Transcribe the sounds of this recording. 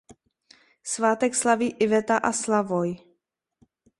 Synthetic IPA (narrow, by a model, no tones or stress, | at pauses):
svaːt̪ɛkslaviːʔɪvɛt̪aʔaslavoj